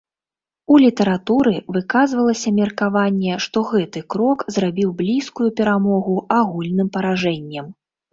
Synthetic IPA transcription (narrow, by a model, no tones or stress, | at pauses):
ulʲit̪ɐɾat̪uɾɨvɨkazvɐlˠɐsʲɐmʲɛrkavanʲːɛʂt̪ɔɣɛt̪ɨkɾɔkzrabʲiwblʲiskujupʲɛɾamɔɣuaɣulʲnɨmpɐɾaʐɛnʲːɐm